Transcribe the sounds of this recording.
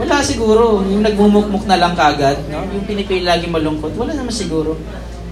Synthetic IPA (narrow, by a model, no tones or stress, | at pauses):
wɐlasɪɡuːɾo̞jʊŋnɐɡ̚mumʊk̚mok̚nɐlɐŋkɐʔɐɡad̪̚nojʊŋpɪnɪpɪllaːɡɪŋmɐlʊŋkot̪wɐlanɐmansɪɡuːɾo̞